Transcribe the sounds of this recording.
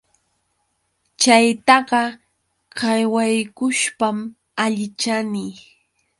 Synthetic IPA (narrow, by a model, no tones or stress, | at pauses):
t͡ʃajt̪ɑɢɑ | kɑjwajkʊʃpam | aʎɪt͡ʃani